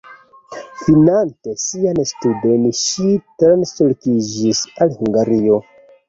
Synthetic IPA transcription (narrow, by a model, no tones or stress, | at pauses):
finantesianstudenʃitɾnsolkid͡ʒisalhuŋɡaɾio̞